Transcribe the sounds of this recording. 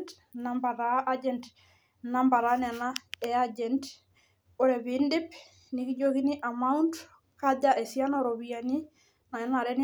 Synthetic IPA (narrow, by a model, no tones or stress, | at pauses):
t | nambaɾaʔad͡ʒɛnt | nambaɾanɛnaead͡ʒɛnt | oɾebindip | nikiɟokiniʔamaunt | kaɟaʔesianoɾobijani | naenaɾen